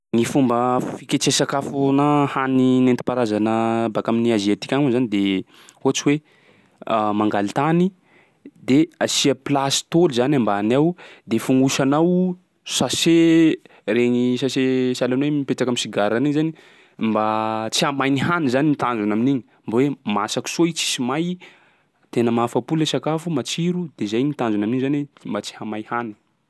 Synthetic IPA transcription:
ŋifumbəfikʲet͡sesakafunahaninent̪i̥paɾazanəbakaminiaziat̪i̥kʲaŋuzanid̪e | hoat͡siwe | maŋɡalit̪ani | d̪easiəplasi̥t̪olizanambaanawd̪efuŋɡuʃanaw | sase | reɲisasesalanwemipeʈ͡ʂakamisiɡaɾaniɲzani | mbat͡siamajniɦanizaninit̪and͡ʒunaminiɲi | mbawemasaki̥soit͡si̥simaj | t̪enəmaafapulesakafumat͡ʃiɾud̪ezajnit̪and͡ʒunaminiɲzanwembat͡si̥hamajhani̥

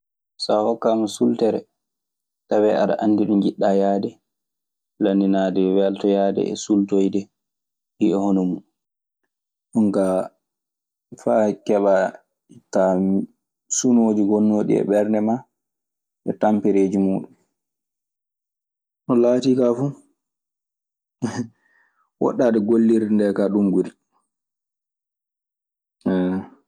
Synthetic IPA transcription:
sahɔkːamasultɛɾɛ | tawɛaɗa̰ʔanːdiɗunɡiɗːajadɛ | lanːinadɛwɛltɔjaːdɛ̰ɛ̰sultojdɛ | biɛhɔnɔmu | ɗuŋka | fakɛɓa | itːa | sunoːd͡ʒiɡɔnːoːɗḭɛ̰ɓɛɾnɛma | ʔɛ̰tampɛɾeːd͡ʒimuːɗum | nɔlaːtikafu | wɔ̰ɗːaːɗɛɡolːiɾindɛkaɗumɡuɾi | ɛ

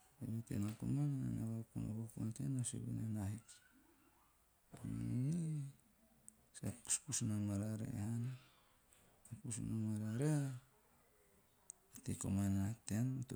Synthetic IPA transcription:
aβotḛnakṵmana̰naβakuno̰βakuntenoso̰βḭnenahik | anni | sapu̥spusnamaɾaɾḛhan | apus̬unamaɾaɾe | ateko̰manenatenot

